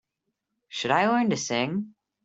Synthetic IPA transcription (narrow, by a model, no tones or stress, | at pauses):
ʃɨɾaɪlɜ̃˞ntɨsɪ̃ŋ